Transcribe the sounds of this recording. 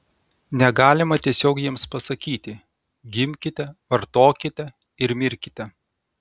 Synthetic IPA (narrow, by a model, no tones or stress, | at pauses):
nʲɛɡɑːlʲɪmɐt̪ʲiɛsʲoːkjiɛmspɐsɐkʲiːt̪ʲɪ | ɡʲɪmʲkʲɪt̪ʲɛʋɐɾt̪oːkʲɪt̪ʲɛ | ɪɾmʲɪɾʲkʲɪt̪ʲɛ